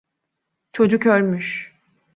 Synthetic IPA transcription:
t͡ʃʰo̞d͡ʒukøɾʲmyʃ

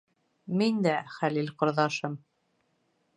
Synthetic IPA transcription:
mind̪æχælilqŏɾðɑʃɤm

